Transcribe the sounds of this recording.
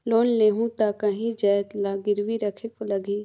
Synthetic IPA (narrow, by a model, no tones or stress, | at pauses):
loːnleːɦũt̪akəɦĩd͡ʒaːt̪laːɡɪɾʋiɾəkʰekoləɡiː